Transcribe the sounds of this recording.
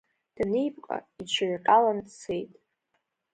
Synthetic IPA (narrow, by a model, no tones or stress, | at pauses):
d̥ɨnijpʼkʼa̰it͡ʃʷʰaɥqʼalant͡sʰejtʼ